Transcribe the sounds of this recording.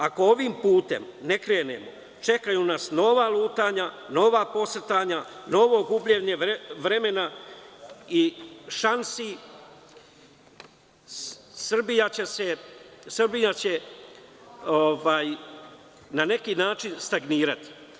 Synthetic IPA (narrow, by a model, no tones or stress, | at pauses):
ako̞oʋimpuːt̪e̞̰mne̞kɾe̞ːne̞̰mo̰ | t͡ʃe̞kajunasno̞ʋaːlˠuːt̪aːɲano̞ʋaːpo̞sr̩t̪aːɲano̞ʋo̞ɡubʎeɲe̞ʋɾe̞me̞na | iʃansi | sr̩bijat͡ɕe̞sesrbijat͡ɕe̞ | oʋaːj | nane̞kinaːt͡ʃinst̪aɡniːɾat̪i̥